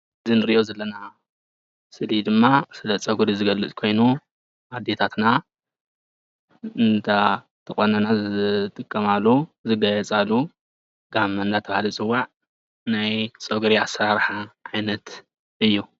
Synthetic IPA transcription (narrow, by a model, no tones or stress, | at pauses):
ɨzinɨɾijozɐlːɐna | sɨlid̪ɨmːasɨlɐt͡sʼɐɡuɾizɨɡɐlɨt͡sʼkʰo̞jnu | ʔad̪ːe̞t̪ʰat̪na | ɨnt̪ʰa | t̪ʰɐχʼonɐnazɨt̪ʼɨkʼːɐmalːuzɨɡɐjɛt͡sʼalːu | ɡ̥amːɐnd̪at̪ʰɐβhalit͡sʼɨwːaʕ | najt͡sʼɐɡuɾiasɾaɾħaʕajnɐt̪ | ɨjːu